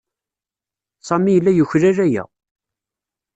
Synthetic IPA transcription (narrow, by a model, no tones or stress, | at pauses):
sˤɑmijəlːæjuçɾæɾæjæ̰